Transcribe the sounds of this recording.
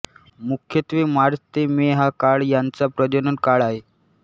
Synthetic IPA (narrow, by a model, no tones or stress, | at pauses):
mukʰjət̪ʋiːmaɾt̪emeɦakaɭjant͡sapɾəd͡ʑənənkaɭaɦe